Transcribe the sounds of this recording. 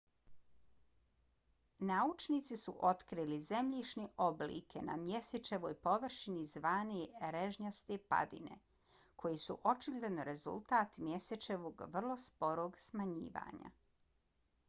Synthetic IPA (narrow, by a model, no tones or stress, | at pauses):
naut͡ʃnit̪sisuʔo̞t̪kɾilize̞mʎiʃniʔo̞blḭkʰena̰mje̞set͡ʃeʋo̞ːjpo̞ʋr̩ʃinizʋaːniɾeʒɲast̪epa̰d̪ḭnḛ | kʰo̞jisṵʔo̞t͡ʃiɡlʲed̪nɾe̞zṵlˠt̪aːt̪mje̞set͡ʃe̞ʋo̞ːɡʋr̩lˠo̞spo̞ɾoːɡsmaɲḭːʋa̰ːɲa̰